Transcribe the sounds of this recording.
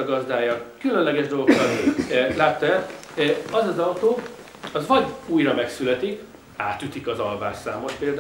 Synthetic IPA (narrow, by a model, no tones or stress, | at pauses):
ɒɡɒzd̪aːjɒkylø̞nlɛɡɛʒd̪o̞lɡokːɒt̪laːt̪ːɒɛ | ɒzɒzɒwt̪oː | ɒzʋɒɟuːjrɒmɛksylɛt̪ik | aːt̪yt̪ikɒzɒlva̰ːʃsaːmo̞ʃpeːld̪